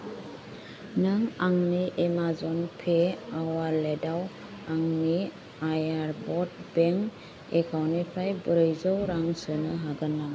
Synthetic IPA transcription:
naŋaŋniʔemazɔnpʰeawaledaw | aŋni | ajaɾbɔt̚bɛŋ | ekʰawnipʰajbɯɾɯjzɔwɾaŋsɯnɯɦaɡɯna

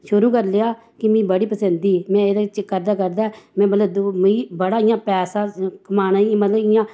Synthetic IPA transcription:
ʃʊɾuːkəɾleaː | kɪmĩːbəɽiːpəsənd̪iːmɛ̃ːed̪t͡ʃkəɾd̪aːkəɾd̪aːɛmɛ̃ːmət̪ləbd̪miːbəɽaːɪjãːpɛːsãːkəmaːnãːĩmət̪ləbɪjãː

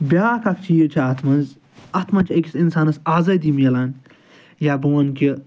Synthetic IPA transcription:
bʲaːkɐk̚t͡ʃʰijit͡ʃʰɐɐt̪ʰmɐnz | ɐt̪ʰmɐnt͡ʃʰiɐkʲisinsaːnɐsaːzɐd̪imjɐlaːn | jaːbɐʋɐnkʲi

